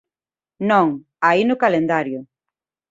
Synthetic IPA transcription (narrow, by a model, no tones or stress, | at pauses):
nõŋ | ainʊkalend̪aɾjʊ